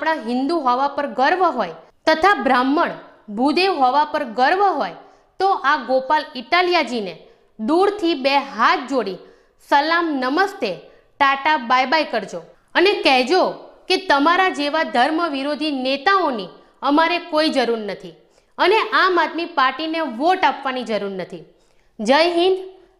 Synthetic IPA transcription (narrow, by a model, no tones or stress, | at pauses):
apɽ̃aɦɪ̃nd̪uɦɔʋapəɾɡəɾʋəɦoj | t̪ət̪ʰabɾamːəɳ | bʱud̪eʋɦɔʋapəɾɡəɾʋəɦoj | t̪oʔaɡopaliʈaljad͡ʒine | d̪uɽt̪ʰibeɦat̪̚ʰd͡ʒoɽi | səlamnəməst̪e | ʈaʈabajbajkəɾd͡ʒo | ənekɛɦd͡ʒoket̪əmaɾad͡ʒeʋad̪ʱəɾməʋiɾod̪ʱinet̪aoni | əmaɾekoid͡ʒəɾuɾnət̪ʰi | əneʔamad̪̚mipaɾʈineʋoʈapʋanid͡ʒəɾuɾnət̪ʰi | d͡ʒəjɦin